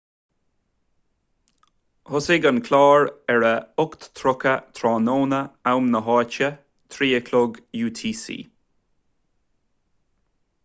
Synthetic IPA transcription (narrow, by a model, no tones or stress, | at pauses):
hʊsɪɡənkʰlɑːɹɛɹəʊkt̪t̪ʰɾʊkət̪ʰɾɑːnoːnəawmnəɦɑːt͡ʃə | t̪ʰɾiːəkʰlʊɡjuːt̪ʰiːsḭː